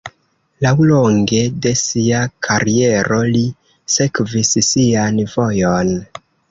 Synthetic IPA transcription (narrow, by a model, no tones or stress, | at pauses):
lawlo̞ŋɡe̞de̞siakʰaɾie̞ɾo̞li | se̞kvissianvo̞jo̞n